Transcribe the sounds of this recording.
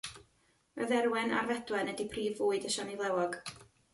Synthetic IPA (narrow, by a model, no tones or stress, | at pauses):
əðɛɾwɛna̰rvɛdwɛnɛdipʰriːvuːɨdəʃanivlˠɛwɔɡ̥